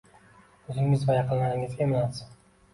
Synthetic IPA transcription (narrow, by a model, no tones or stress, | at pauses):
ɵzɪŋɪzvajaqʰɨlˠnanɪŋɪzɡʲamɪlasɪ